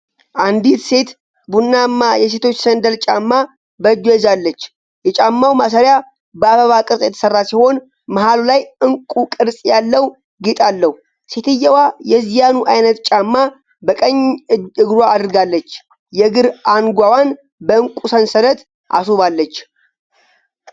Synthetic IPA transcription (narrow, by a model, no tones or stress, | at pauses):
ʔand̪it̪se̞t̪ | bunːamːajɛs̬e̞t̪ʰo̞t͡ʃːsənd̪əlt͡ʃʼamːa | bəd͡ʒujɛzalːət͡ʃː | jɛt͡ʃʼamːawmas̬əɾja | bəaβəβakʼɨɾsʼjɛt̪ʰə̥sərːasiho̞n | məhalulajɨŋkʼukʼɨɾsʼjalːəw | ɡit̪ʼalːəhu | se̞t̪ʰɨjːəwajɛzijanuʔajnət̪t͡ʃʼamːa | bəkʼəɲːɨɨɡɾwaːd̪ɨɾɨɡalːət͡ʃː | jɛɡɨɾanɡʷawan | bəɨŋkʼusənsələt̪ | ʔa̰suβalːət͡ʃː